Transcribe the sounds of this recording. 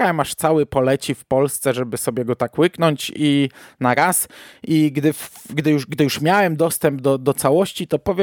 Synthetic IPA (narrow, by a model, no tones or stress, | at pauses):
awɛmaʂt̪sawɘpɔlɛt͡ɕifpɔlst̪sɛʐɛbɘsɔbʲjɛɡɔt̪akwɘknɔɲt͡ɕinaɾasiɡd̪ɘfɡd̪ɘjuʂɡd̪ɘjuʂmʲjawɛmd̪ɔst̪ɛmbd̪ɔd̪ɔt̪sawɔɕt͡ɕit̪ɔpɔvʲjɛ